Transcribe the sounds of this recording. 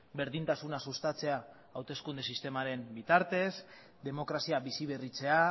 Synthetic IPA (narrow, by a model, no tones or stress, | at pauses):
be̞ɾðint̪asunasust̪at͡se̞aː | wt̪e̞skund̪e̞sist̪e̞maɾe̞mbit̪aɾt̪e̞s | d̪e̞mo̞kɾasiaβisiβe̞rit͡se̞a